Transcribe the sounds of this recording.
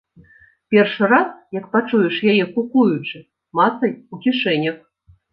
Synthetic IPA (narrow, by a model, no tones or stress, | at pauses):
pʲɛrʂɨɾasjɐkpat͡ʂujɛʂjajɛkukujut͡ʂɨ | mat̪sɐjukʲiʂɛnʲɐx